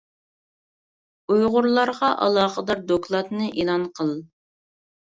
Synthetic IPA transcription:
ujʁʊɾlˠɑɾʁɑʔɑ̰lˠɑːχəd̪ɑɾd̪oklˠɑt̪nɨʔelˠɑnqʰəlˠ

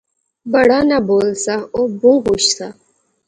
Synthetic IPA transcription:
bəɽaːnaboːlsaobũːɦuʃsa

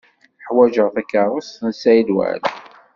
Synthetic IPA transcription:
ħwæʒəʁθækːəɾˤʊsnsæjlwæ̰l

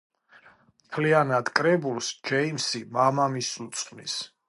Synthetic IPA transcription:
mt̪ʰlianad̪̥kʼɾɛbulˠsd͡ʒɛimsimamamisut̪sʼχʼnḭs

